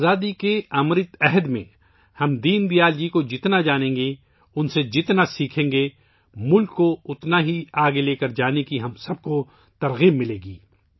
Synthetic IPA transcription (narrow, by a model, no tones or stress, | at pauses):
zaːd̪ikeɐmɾɪt̪ɛɦd̪mḛ̃ | hɐmd̪iːnd̪ijaːld͡ʒikod͡ʒɪt̪nad͡ʒaːnẽːŋɡe | ʊnsed͡ʒɪt̪nasiːkʰẽːŋɡe | mʊlkːoʊt̪naɦiaːɡeleːkɐɾd͡ʒaːnekiɦɐmsɐb̚ko | t̪ɐɾɣiːmːɪleːɡiː